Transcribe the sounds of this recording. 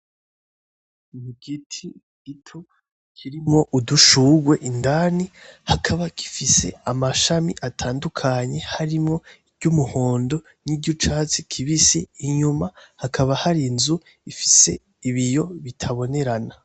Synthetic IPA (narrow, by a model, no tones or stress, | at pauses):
muɡitʰi | ɡitʰu | kʰiɾimŋo̞ʔuduʃuɡwe̞ʔindanihakʰaβakʰi̥fise̞̰amaʃamiʔatʰaːndukʰaɲe̞haɾimŋo̞ibɟumuho̞ːndo̞ | nibɟut͡ʃaːt͡sikʰiβiseiɲumahakʰaβahaɾinzu | ifise̞ | iβijo̞βitʰaβo̞ne̞ɾana